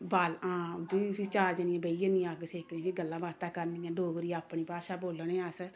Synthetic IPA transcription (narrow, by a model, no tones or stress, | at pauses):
baːlãːbiːit͡ʃaːɾd͡ʒənɪẽːbəiːənĩaːɡseːkʰnẽːbiːɡəlːãːbaːt̪aːkəɾniːɛ̃ːɖoːɡɾiːaːpɳ̃iːpaːʃaːboːlɳeːəs